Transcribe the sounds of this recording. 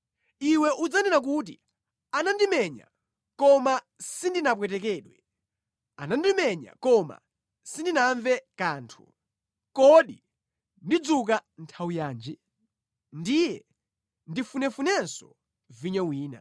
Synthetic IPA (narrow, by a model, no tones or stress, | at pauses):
iwɛʔud͡zanɛnak̬ut̬i | anandimɛɲa̰ | kɔma | sindinap̬wɛtɛk̬ɛːɗwɛ | a̰nandimɛɲa̰kɔma̰ | sindinaɱvɛkaːntʰu̥̰ | kɔɗi | ndid͡zukantʰawujaːnd͡ʒi | ndijɛ | ndifunɛfunɛnsɔ | viɲɛwiːna̰